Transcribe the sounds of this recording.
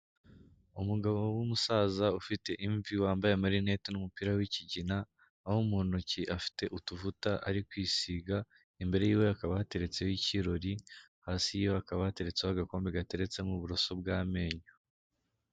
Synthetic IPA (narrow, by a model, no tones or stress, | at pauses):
umuɡaβo̞wumusaːzaufite̞ʔiɱviwaːmbajemaɾine̞tinumupiːɾawiciɟinaː | homunuciʔafi̥te̞ʔutuvutaʔaɾikwiːsiːɡa | imbe̞ɾe̞jiːwe̞akaβahate̞ɾe̞t͡sejjiciɾo̞ɾihaːsijiːjoakaβahate̞ɾe̞t͡seaɡako̞ːmbeɡate̞ɾe̞t͡se̞muβuɾo̞so̞b̚ɡaːme̞ːɲo